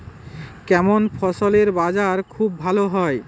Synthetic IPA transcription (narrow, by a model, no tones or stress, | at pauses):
kɛmonfʰɔʃoleɾbad͡ʑaɾkʰubːʱaloɦɔe